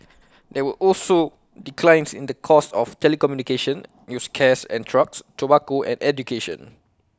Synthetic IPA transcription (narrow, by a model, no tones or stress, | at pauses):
dɛwəʔɔlso | dikʰlãɪ̃nsĩndəkʰɔstɔftɛlikɔmjunikeʃə̃n | juskʰɛsɛ̰̃ntʰɹakstɔbakoɛ̰̃nɛdjukeʃɔ̰̃n